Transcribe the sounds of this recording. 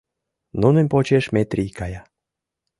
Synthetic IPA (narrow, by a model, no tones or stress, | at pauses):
nunə̆nʲpot͡ɕeʃmʲet̪rʲijkɑjɑ